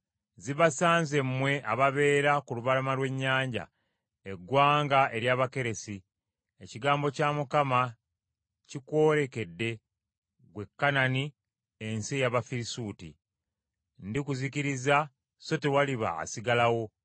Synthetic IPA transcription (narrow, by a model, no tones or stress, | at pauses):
ziβasaːnze̞mːwe̞ʔaβaβe̞ːɾakuluβalamalwe̞ɲːaːɲɟa̰ | eɡwaːŋɡaʔe̞ɾjaːβake̞ɾe̞si | eciɡaːmbo̞camukama | cikwo̞ːɾe̞ke̞dːe̞ | ɡwe̞kːanani | ensijaβafiɾisuːtḭ | ndikuziciɾiza | so̞tewaliβa̰ːsiɡalawo̞